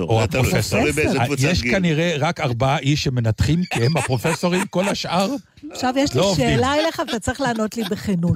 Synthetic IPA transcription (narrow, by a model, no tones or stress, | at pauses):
oapʁofesojeʃkaniʁe̞ʁakaʁbaaʔiʃːeme̞nat̪χimkeemapʁo̞feso̞ʁimko̞laʃʔaʁ | aχʃavjeʃloʃeːlaeleχavat̪at͡sʁiχlaːno̞tlibeχenut